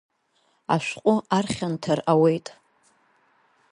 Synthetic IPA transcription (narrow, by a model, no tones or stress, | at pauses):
a̰ʃʷqʷʼʊarχʲantʰarawejtʼ